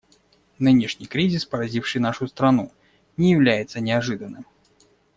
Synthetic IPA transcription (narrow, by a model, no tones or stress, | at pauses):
nɨnʲɪʂnʲijkɾʲizʲɪspəɾɐzʲifʂɨjnaʂʊst̪ɾɐnu | nʲɪjɪvlʲæjɪt̪sənʲɪɐʐɨd̪ənːɨm